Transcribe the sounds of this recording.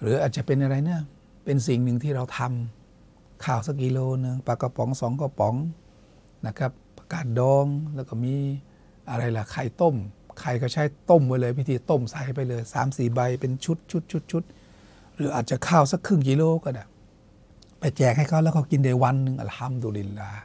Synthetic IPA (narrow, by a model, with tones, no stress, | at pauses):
ɾɯː˨˦ʔaː˨t̪̚t͡ɕa˨˩pe˧nʔa˧ɾa˧jnɯ˥˩ɐ | pe˧nsi˨˩ŋnɯ˨˩ŋt̪ʰiː˥˩ɾa˧wt̪ʰa˧m | kʰaː˧˩wsa˦˥k̚ːi˧loː˧nɯ˧ŋpa˧˩kɔ˧˩pɔ˩˦ŋsɔː˩˦ŋkɔ˧˩pɔ˨˦ŋ | na˧˩kʰa˦˥p̚pḁ˧kaː˨˩t̪̚dɔː˧ŋlɛː˦˥˩wkɔː˥˩miː˧ | ʔa˧ɾa˧jla˨˩kʰa˨˩jt̪o˥˩mkʰa˧˩jkʰɔ˧˩t͡ɕʰa˦˥˩jt̪o˥˩mwaː˧˩jlɤː˧jpʰi˦˧t̪ʰiː˧t̪o˥˩msa˨˦hp̬a˧jlɤː˧jsa̰ː˩˦msiː˨˩ba˧jpe˧nt͡ɕʰu˦˥t̪̚t͡ɕʰu˦˥t̪̚ʰu˦˥t̪̚t͡ɕʰu˦˥t̪̚ | ɾɯː˨˦ʔaː˨˩t̪̚t͡ɕa˨˩kʰaː˧˥˩wsa˧˥˩kʰːɯ˥˩ŋki˧loː˧kɔ˧˩na˨˩ | pa˧˩jt͡ɕɛː˨˩k̚ha˥˩jkʰa˧˥˩wlɛː˦˥˩wkʰa˧˩ki˧nda˨˧˩jwa˧nːɯ˧ŋʔa̰˧˨˩lt̪ʰa˧˥mduː˧li˧˩llaː˧